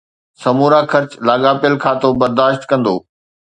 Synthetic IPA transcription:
sɐmuːɾaːkʰɐɾt͡ɕlaːɠaːpɪəlkʰaːt̪obɐɾd̪aːʃt̪kɐ̃nd̪oː

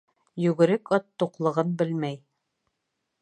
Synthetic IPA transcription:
jɵɡɘ̆ɾɘkɒt̪ːuqlˠɤ̆ʁɤnbɘlmæj

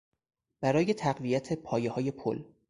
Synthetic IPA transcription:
b̥æɾɒːje̞t̪ʰæɢvijæt̪ʰepʰɒːjehɒːje̞pʰo̰l

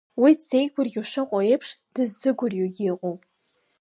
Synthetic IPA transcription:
widzejɡʷʰʊrɡʲuʂɨqʼoejpʰʂd̥ɨzːɨɡʷʊrjoɡʲiqʼowpʼ

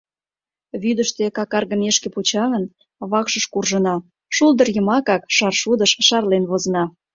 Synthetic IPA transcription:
βyd̪əʃt̪ekɑkɑrɣəneʃkeput͡ɕɑɣən | βɑkʃəʃkurʒənɑ | ʃulˠd̪ərjəmɑkɑkʃɑrʃud̪əʃʃɑrlenβozə̆nɑ

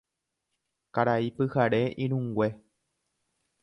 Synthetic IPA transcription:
kaɾaipɨhaɾe̞ʔĩɾ̃ũŋɡwe̞

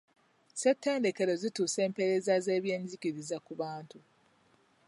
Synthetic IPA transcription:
setʰːe̞ːnde̞ke̞ɾo̞zituːse̞ːmpe̞ɾe̞zaze̞ːβje̞ːɲɟikiɾizakuβaːntu

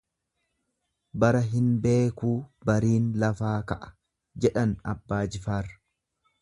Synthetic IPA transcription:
bɐɾɐɦɪnbe̞ːkuːbɐɾiːnlɐfaːkɐʔɐ̥ | d͡ʒɛᶑɐnɐ̰bːaːd͡ʒɪfaːrɐ̥

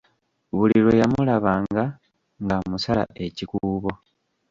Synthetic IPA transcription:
βulilo̞jamulaβaːŋɡa | ŋɡamusala̰ʔe̞cikuuːβo̞

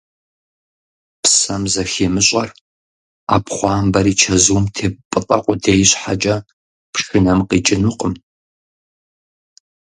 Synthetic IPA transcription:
psɐmzɐxeːmɨɕʼɐr | a̰ːpχʷɑːmbɐɾiːt͡ʃʰɐzuwmtʰeːpʼɨtʼɐqʷʼʊdeːjɕħat͡ʃʼɐ | pʂɨnɐmqiːt͡ʃʼɪnuqʼəm

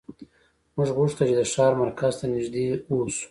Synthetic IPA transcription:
mʊʐɣuʂt̪at͡ʃed̪əʃɑɾmaɾkʰazt̪anɪʒd̪eosu̥

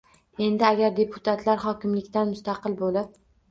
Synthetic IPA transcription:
e̞nd̪ɪaɡʲaɾd̪e̞pʰʊ̥t̪ʰat̪ʰlaɾχɒkʲɪmlɪkʲt̪anmʊst̪ʰɑqɨlˠbolɪp̚

